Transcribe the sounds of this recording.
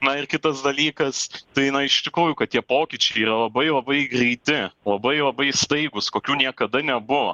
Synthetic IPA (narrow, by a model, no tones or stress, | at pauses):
nɐɪrkʲɪt̪ɐsd̪ɐlʲiːkɐst̪ɐɪnɐɪʃt̪ʲɪkɾuːjʊkɐt̪̚t̪ʲiɛpoːkʲit͡ʃʲɛɪiːɾɐlˠɐbɐɪlˠɐbɐɪɡɾʲɛɪt̪ʲɪlˠɐbɐɪlˠɐbɐɪst̪ɐɪɡʊskoːkʲuːnʲiɛkɐd̪ɐnʲɛbʊʋɐ̰